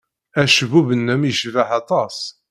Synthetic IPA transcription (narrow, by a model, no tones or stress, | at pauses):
æʃvuvənːæmjəʃvaħɑt̪ˤɑs